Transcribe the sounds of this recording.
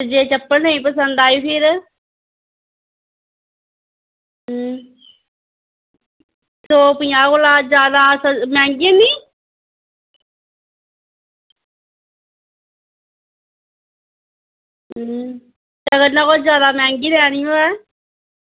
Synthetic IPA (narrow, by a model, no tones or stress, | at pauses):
d͡ʒeːt͡ʃəpːənnə̃ĩːpəsə̃nd̪aːjiːpʰɪɾ | t̪oːpɪjãːkoːlaːd͡ʒjaːd̪aːsəmɛ̃ːŋɡienĩː | t̪əɡəɾnakod͡ʒjaːd̪aːmɛ̃ːŋɡiːɾɛːɽɪjõɛː